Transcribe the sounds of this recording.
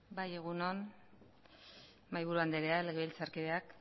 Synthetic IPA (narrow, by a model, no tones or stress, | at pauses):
baje̞ɣ̞unon | majβuɾuand̪eɾe̞aleɣelt͡saɾkiðeak